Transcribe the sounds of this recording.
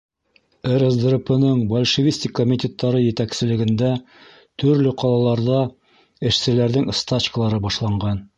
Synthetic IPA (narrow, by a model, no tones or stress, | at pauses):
eɾəzd̪ropɤ̆nɤɴbolʲʃɘ̆vʲisʲt̪ʲɪkːomʲit̪ʲe̞t̪ːɑɾɤjɘ̆t̪æksɘ̆lɘ̆ɡɘ̆nd̪æ | t̪ɵ̆ɾlɵqɑlˠɑlˠɑɾðɑ | ɘ̆ʃsɘ̆læɾðɘŋst̪at͡ɕkəlˠɑɾɤbɑʃlˠɑɴɢɑn